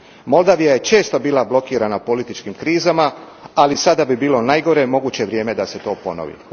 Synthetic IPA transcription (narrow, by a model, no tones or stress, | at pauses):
mo̞lˠd̪aʋijaje̞t͡ʃe̞ːst̪o̞biːlˠablˠo̞kiːɾanapo̞lit̪it͡ʃkimkɾiːzama | alisad̪abibiːlˠo̞najɡo̞ɾe̞mo̞ɡuːt͡ɕe̞ʋɾje̞ːme̞d̪ase̞t̪o̞ːpo̞̰no̰ʋḭ